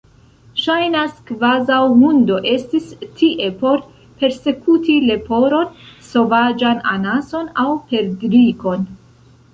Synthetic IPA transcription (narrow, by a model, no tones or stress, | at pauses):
ʃajnaskvazawmundo̞ʔe̞stistʰiʔe̞po̞ɾ | pe̞ɾse̞kutile̞po̞ɾo̞nso̞vad͡ʒana̰naso̞nawpe̞ɾdɾiko̞n